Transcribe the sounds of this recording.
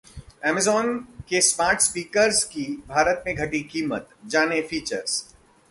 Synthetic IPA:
ɛːmɪzɔːnkesmaːɾʈspiːkəɾzkibʱaːɾət̪mẽɡʱɐʈikiːmə̰t̪d͡ʒaːnefiːt͡ʃə̰ɾz̥

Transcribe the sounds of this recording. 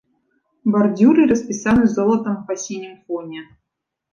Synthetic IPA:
bɐrdʲuɾɨɾɐspʲisanɨzolˠət̪əmvpɐsʲenʲɪmfonʲe

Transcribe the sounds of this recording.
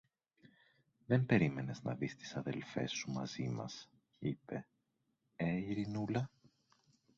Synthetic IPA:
ðe̞mpe̞ɾime̞ne̞znɐ̰ðist̪i̥sɐðe̞lfe̞̰sumɐ̰z̥imɐ̰s | ipe̞ | eiɾinulɐ

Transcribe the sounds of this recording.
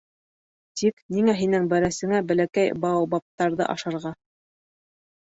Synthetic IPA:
t̪ʰikniŋæɦinɘŋbæɾæsɘ̆ŋæbæ̆lækæjbɑbɑp̚t̪ːɑɾðɤ̰ʔɑ̰ʃɑɾʁɑ

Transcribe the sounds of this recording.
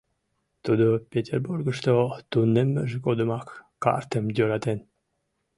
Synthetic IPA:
t̪ud̪opʲet̪ʲerburɡəʃt̪ot̪unːemːəʒekod̪ə̆mɑkː | ɑ̰rt̪əmd̪ʲøɾɑt̪en

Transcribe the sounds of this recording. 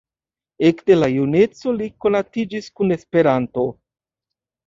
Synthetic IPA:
e̞kde̞lajune̞t͡so̞liko̞natid͡ʒiskune̞spe̞ɾanto̞

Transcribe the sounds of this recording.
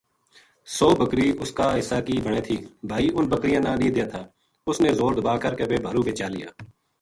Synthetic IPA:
soːbəkɾiːʊskaːɦɪsːaːkiːbʱəɳ̃eːt̪ʰiːbʱaːiːʔʊnbəkɾɪjãːnãːnĩːd̪ɪjaːt̪ʰaː | ʊsneːzoːɾd̪əbaːkəɾkeːbeːbʱaːɾũːbʱeːt͡ʃaːlɪja̰ː

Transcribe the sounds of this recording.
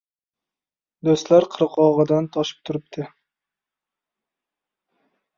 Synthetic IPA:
d̪ɵst̪laɾqʰɨɾɨqʰɒʁɨd̪ant̪ʰɒʃɪ̥p̚t̪ʰʊɾɪp̚t̪ʰɪ

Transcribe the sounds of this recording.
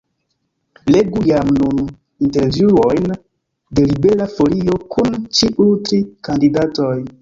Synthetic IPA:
le̞ɡujamnun | inteɾvjuojn | de̞libe̞ɾafoliokʰunt͡ʃiʔutɾikandidatoj

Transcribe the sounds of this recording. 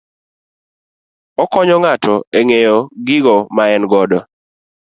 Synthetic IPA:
ɔkɔɲɔŋatɔeŋejɔɡɪɡɔmaɛnɡɔdɔ

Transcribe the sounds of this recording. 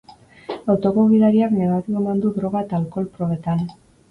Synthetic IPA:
awt̪o̞ko̞ɣiðaɾiaknaɣat̪ikoemand̪uðɾo̞ɣ̞aet̪aːlko̞lpɾoβe̞t̪an

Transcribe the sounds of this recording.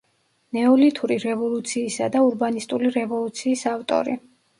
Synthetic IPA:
nɛɔlit̪ʰuɾiɾɛvɔlˠut̪sʰiːsa̰d̪auɾbanist̪ʼuliɾɛvɔlˠut̪sʰiːsaft̪ʼɔ̰ɾi

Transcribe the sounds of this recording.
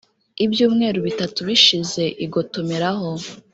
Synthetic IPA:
ibjuːmŋe̞ːɾuβitatuβiʃize̞ʔiɡo̞tomeɾaɦo

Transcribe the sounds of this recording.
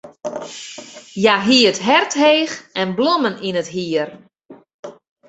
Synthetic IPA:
jaɦiːətɦɛrtɦeːxʔɛnblɔməninətɦiər

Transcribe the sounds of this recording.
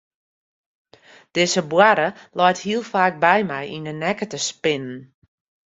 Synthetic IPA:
d̥ɪzəbwaɾəlɔjthiəlˠfaːk̚bɛjmɛjinənɛkətəspɪnən

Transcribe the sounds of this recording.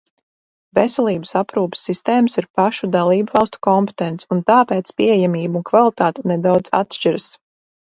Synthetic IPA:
vɛsɛlˠiːbə̥sapɾuːpsːist̪eːməsiɾpaʃud̪alˠiːbvɑlˠst̪u̥kɔmpe̥t̪ɛnt̪sunt̪aːpeːt̪spiːejamiːbunkvalˠit̪aːt̪ɛnɛd̪awd̪za̰t̪ʃt͡ʃiɾəs

